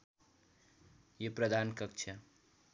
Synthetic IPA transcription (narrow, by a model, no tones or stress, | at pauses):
jeprʌd̪ʱankʌk̚t͡ʃʰʌ